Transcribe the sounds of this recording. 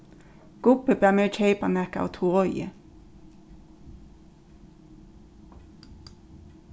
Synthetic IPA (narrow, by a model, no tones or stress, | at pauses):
ɡ̥ʊpəb̥æːmeːt͡ʃʰeɪpɑnɛkɑ̰o̰ːt̪ʰuːʁɔʏə̰